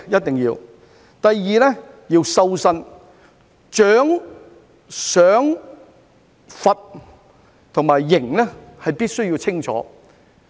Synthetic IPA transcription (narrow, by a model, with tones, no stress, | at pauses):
jɐ˥t̚t̪ɪ˨ŋjiː˧w | t̪ɐ˨jːiː˨lɛː˥ | jiː˧wsɐ˧wsɐ˧n | t͡ʃœː˨˥ŋ | sœː˨˥ŋ | fɐ˨t̚ | t̪ʰʊ˨˩ŋmaː˨˩jːɪ˨˩ŋlɛ˥hɐ˨jpiː˥t̚sɵ˥ɥjiː˧wt͡sʰɪ˥ŋt͡ʃʰɔ̰ː˨˧˥